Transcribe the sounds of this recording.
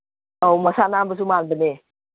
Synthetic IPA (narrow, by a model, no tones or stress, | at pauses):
oməsanambəs̬umandəne